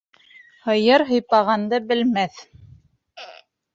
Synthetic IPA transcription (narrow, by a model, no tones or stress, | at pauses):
hɤ̆jɤɾɦɤ̆jpɑʁɑnd̪ɤbɘ̆lmæθ